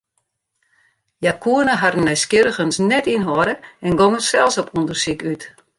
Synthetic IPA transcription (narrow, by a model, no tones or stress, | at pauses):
jakʰuənəɦadənːœjskjɪɾəxənsnɛtinɦɔɾəɛnɡoŋəsɛlˠsɔpundərsikyt